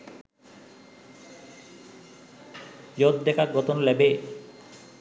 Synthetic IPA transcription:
jod̪̚d̪ɛkaɡɔt̪onlɛbe

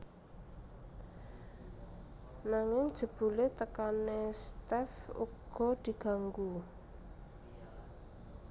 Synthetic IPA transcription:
naŋɪŋ̥ʒ̥ə̤b̥ṳlet̪əkanest̪ɛfṵɡ̥ɔ̤d̪̥i̤ɡ̥a̤ŋɡu

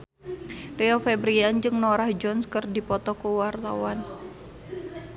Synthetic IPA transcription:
riɔfɛbɾiand͡ʒɨŋnɔɾahd͡ʒɔnskɨrdipɔt̪ɔkuwart̪a̰wan

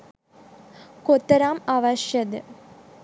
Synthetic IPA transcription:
kot̪ːɐɾaːmaʋɐɕjɐd̪ɨ

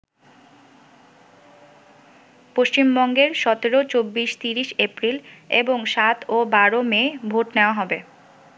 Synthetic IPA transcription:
poʃt͡ɕimbɔŋɡeɾʃɔt̪eɾot͡ɕobːiʃt̪iɾiʃepɾileboŋʃat̪ʰobaɾomebʱoʈneoaɦɔbe

